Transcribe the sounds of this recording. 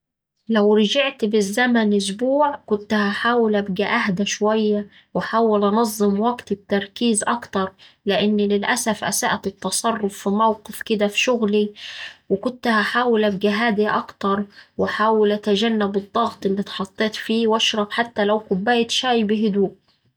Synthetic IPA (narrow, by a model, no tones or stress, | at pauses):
læwɾɑd͡ʒaʕt̪bɪzːæmænʔʊs̬buːʕkʊnt̪haħaːwɪlʔæbɡæʔaɦd̪æʃwæjːæ | wɪħaːwɪlʔɑnɑzˤːɨmwæɡt̪t̪ːɑɾˤkiːzʔɑkt̪ɑɾˤ | lɪʔɪnːlɪlʔæsæfʔæ̰sæʔt̪ɨt̪ːɑsˤɑrˤːʊfːimæwqɪfkɪd̪æfi̥ʃʊɣliwɪkʊnt̪haħaːwɪlʔæb̚ɡæɦæːd̪aʔɑkt̪ɑɾˤwɪħaːwɪlʔæt̪aʒænːabɨd̪ˤːɑɣt̪ˤʔɪlːit̪ħɑt̪ˤːeːt̪fiːwɑʃɾˤɑbħat̪ːælæwqʊbːæːjt̪ʃæːjbɪɦʊd̪uːʔ